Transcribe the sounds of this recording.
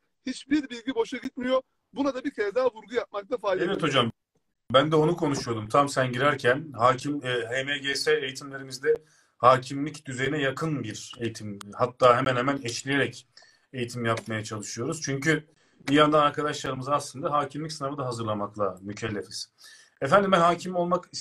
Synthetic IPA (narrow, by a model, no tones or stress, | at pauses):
hit͡ʃbiɾbilʲɟibo̞ʃaɟit̪̚mijo | bunad̪abicʰed̪aːvuɾɡujap̚mak̚t̪ʰafaːlevɛt̪ʰo̞d͡ʒam | bænd̪ɛo̞nukʰo̞nuʃujo̞d̪umt̪ʰamsænɟiɾæɾcʰænɦaːcʰimhemeɟesɛejit̪ʰimlʲe̞ɾimizd̪ɛ | haːcʰimlʲicd̪yzejinɛjakʰɯnbiɾe̞jit̪ʰimhat̪ʰːaːɦemænhemænɛt͡ʃlʲije̞ɾɛc | e̞jit̪ʰimjap̚majat͡ʃʰalˠɯʃɯjo̞ɾuz̥t͡ʃʰyɲcy | bijand̪anaɾkad̪aʃlˠaɾɯmɯzaslˠɯnd̪aɦaːcʰimlʲicsɯnavɯd̪aɦazɯɾlˠamaklˠamycʰɛlʲːefiz̥ | ɛfænd̪imɛnhɦaːcʰimo̞lˠmaki